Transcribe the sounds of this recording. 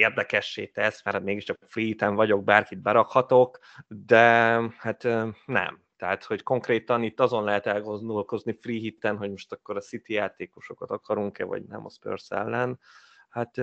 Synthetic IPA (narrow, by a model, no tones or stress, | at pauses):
eːrd̪ɛkɛʃːeːt̪ɛsmɛrhmeːɡiʃt͡ʃɒkfriːhit̪ɛɱvɒɟo̞ɡ̚baːrkid̪̚bɛɾɒkhɒt̪o̞k | d̪ɛhat̪ːnɛ̰m | t̪ɛɦat̪ho̞cko̞ŋkreːt̪ɒnit̪ːɒzo̞nlɛɦɛt̪ɛlɡo̞nd̪o̞lko̞znifriːɦit̪ːɛnɦo̞ɟmo̞ʃt̪ɒkːo̞ɾɒsit̪ijaːt̪eːkoʃo̞kɒt̪ɒkɒɾuŋkɛvɒ̰ɟnɛ̰mɒ̰spø̰rsɛ̰lːɛnhat̪